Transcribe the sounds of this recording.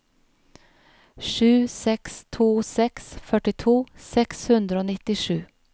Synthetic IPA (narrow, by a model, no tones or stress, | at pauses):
ʂʉːsɛkst̪ʰuːsɛksfœʈɪt̪ʰuːsɛkshʉnd̪ɾəoːnɪt̪ːɪʂʉː